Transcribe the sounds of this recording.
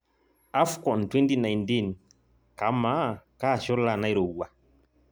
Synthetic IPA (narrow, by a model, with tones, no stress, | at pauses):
a˦fkɔ˨ntwɛ˦nti˦na˨jnti˦˨n | ka˨˦ma˦ka˦˨ʃɔ˦la˦˨na˦i˨ɾo˨a˨